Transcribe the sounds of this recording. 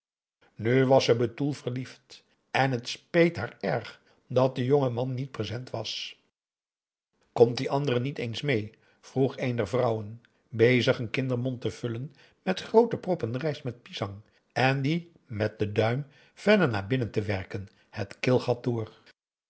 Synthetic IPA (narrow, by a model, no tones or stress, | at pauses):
nyʋɑsəbətulˠvəɹlift | ʔɛnɦətspejtɦaːɹɛɹχ | dɑt̚dəjoŋəmɑnːit̚prezɛntʋɑs | kɔmtdiʔɑndərənitejnsmej | v̥ruχejndɛɹvrʌwən | bejzəχənkɪndəɹmɔntəv̥ʏlən | mɛtχrowtəprɔpənrɛjsmɛt̚pizɑŋ | ɛndi | mɛt̚dədœɥm | v̥ɛɹdəɹnaːɹbɪnəntəʋɛɹkən | hətkɪlˠχɑt̚dʊːr